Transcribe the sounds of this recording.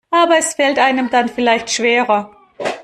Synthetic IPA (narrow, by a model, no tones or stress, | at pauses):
ʔaːbɐɛsfɛltʔaɪnəmdanfɪlaɪçtʃv̥eːʁɐ